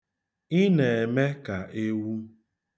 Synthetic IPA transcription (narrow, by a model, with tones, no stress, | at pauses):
i˦ne˨e˨me˦ka˨ʔe˦wu˦